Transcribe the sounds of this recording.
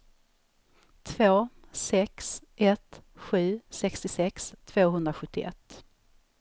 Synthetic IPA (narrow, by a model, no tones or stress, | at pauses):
t̪ʰv̥oː | sɛksʔɛt̪ɧʉ̟ːsɛkst̪ɪsɛkst̪ʰv̥oːɦɵnd̪ɾaɧɵt̪ːɪʔɛ̰t̪ː